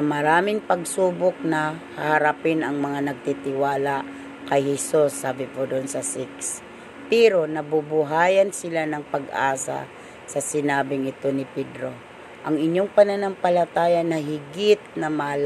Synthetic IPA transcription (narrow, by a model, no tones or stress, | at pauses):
mɐɾaːmɪŋpɐɡ̚suːbok̚nɐhɐhɐɾapɪnɐŋmɐŋanɐɡ̚t̪it̪ɪwaːla | kɐjhɛsusːaːbɪpod̪onsɐsɪks | pɛɾo̞nɐbubʊɦaːjɐnsɪlanɐŋpɐɡʔa̰ːsa̰ | sɐsɪnaːbɪŋɪt̪o̞nɪpɛd̪ɾo̞ | ʔɐŋɪɲːo̞ŋpɐnɐnampɐlɐt̪aːjɐnɐɦɪɡɪt̪̚nɐmal